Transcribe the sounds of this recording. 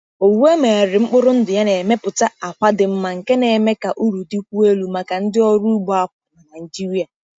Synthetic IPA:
o˨wu˦e˦me˨a˨ɾɪ˨ŋ͡m̩˦k͡pʊ˦ɾʊ˦n̩˦dʊ˨ja˦ne˨me˦pʊ˨ta˦a˨kʷa˦dɪ˨m̩˦ma˨ŋ̩˨ke˦ne˨me˦ka˨ʔu˦ɾu˨di˦kʷu˦e˦lu˨ma˨ka˨n̩˦dɪ˦ɔ˦ɾu˦u˦ɡ͡bɔ˦a˦˨pʊ˨na˨na˨d͡ʒi˦ɾi˦a˨

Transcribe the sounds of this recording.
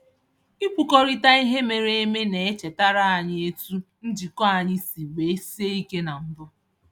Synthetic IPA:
i˦pu˨kɔ˦ɾi˦ta˦i˦ɦe˦me˨ɾe˦e˦me˦ne˨e˦t͡ʃe˨ta˦ɾa˦a˨ɲɪ˦e˦tu˦n̩˦d͡ʒi˨kɔ˦a˨ɲɪ˦si˨we˨e˦si˦e˦i˦ke˦na˨n̩˦bʊ˦

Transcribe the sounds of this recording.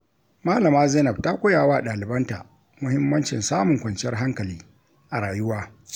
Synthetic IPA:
maː˦lɐ˨maː˦zɛː˦nɐ˨b̚ta˦kʷʊ˦jaː˨waː˦˨ɗaː˨lɪ˨bɐ˦nta̰˨ʔ | mʊ˦hɪ˦mːɐ˦nt͡ʃɪ̰˨nsaː˦mʊ˨ŋkʷɐ˨nt͡ʃɪ˦ɐ˦rɦa˦ŋkɐ˨liː˦ | ʔa˨ɽaː˨jʊ˦waː˦

